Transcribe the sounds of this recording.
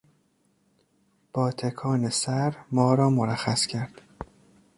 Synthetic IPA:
b̥ɒːt̪ʰekʰɒːnesæɾmɒːɾɒːmoɾæxæscʰæɾd̪̥

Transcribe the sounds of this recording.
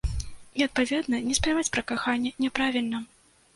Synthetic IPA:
iɐt̪̚pavʲɛd̪nɐnʲɛspɾʲavat͡sʲpɾɐkaxanʲːɛnʲɛpɾavʲilʲnɐ

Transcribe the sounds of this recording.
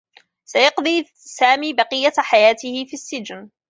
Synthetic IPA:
sajɑqd̪ˤiː | saːmiːbɑqɪjːaħajaːt̪ɪhɪfiːsːɪd͡ʒn

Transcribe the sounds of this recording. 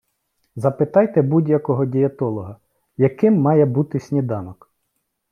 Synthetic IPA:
zɐpɪt̪ɑjt̪ɛbudʲjɐkɔɦɔdʲijɐt̪ɔlˠɔɦɐ | jɐkɪmːɑjɛbut̪ɪsʲnʲid̪ɑnɔk

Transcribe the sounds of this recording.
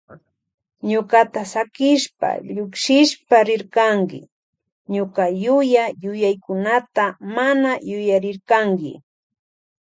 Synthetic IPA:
ɲʊkat̪asakɪʃpa̰ʎʊkʃɪʃpaɾɪɾkaŋkɪ̰ | ɲʊkajʊjajʊjajkʊnat̪amanajʊjaɾɪɾkaŋkɪ̰

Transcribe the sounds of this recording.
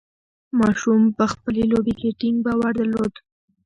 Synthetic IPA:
mɑʃumpəxpəlelobekeʈɪŋɡ̚bawaɾd̪əlod̪

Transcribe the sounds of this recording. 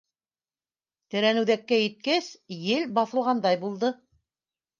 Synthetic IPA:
t̪ɘ̆ɾænɘ̆wðækːæjɘ̆t̪̚kæsjɘlbɑθɤ̆lˠʁɑnd̪ɑjbulˠd̪ɤ

